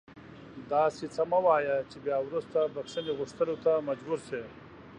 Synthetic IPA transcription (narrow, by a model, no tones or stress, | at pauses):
d̪ɑːsit͡sɐmawɑːjat͡ʃebjaːwɾust̪abakʂəneɣʊʂt̪əlot̪amɐd͡ʒbuɾse